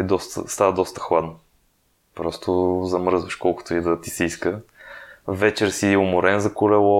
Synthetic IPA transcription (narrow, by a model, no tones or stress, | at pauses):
ɛd̪ɔst̪ə̰st̪avəd̪ɔst̪ə̥xlˠad̪no | pɾɔst̪ozɐmɾzvəʃkɔlˠkʊ̥t̪oid̪ɐt̪i̥sɛiskə | vɛt͡ʃɛɾsiʊmʊɾɛnzɐkʊlɛlˠɔ